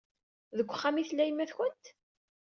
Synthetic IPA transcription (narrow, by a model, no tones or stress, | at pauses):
ðəɡʷːəχːamiθlːæjəmːæθçənt̪